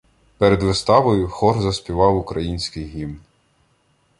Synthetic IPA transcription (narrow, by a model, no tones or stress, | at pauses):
peɾed̪ʋɪst̪ɑʋɔjʊxɔrzɐsʲpʲiʋɑwʊkɾɐjinʲsʲkɪjɦim